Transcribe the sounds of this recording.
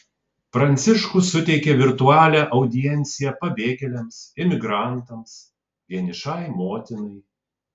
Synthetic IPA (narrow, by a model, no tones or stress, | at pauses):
pɾɐnʲt̪sʲɪʃkʊsʊt̪ʲɛɪkʲeʋʲɪɾt̪uɑːlʲæːʔɐʊd̪ʲɪjɛnʲt̪sʲɪjɛpɐbʲeːkʲɛlʲɛmsɪmʲɪɡɾɑˑnt̪ɐms | ʋʲiɛnʲɪʃɑɪmoːt̪ʲɪnɐɪ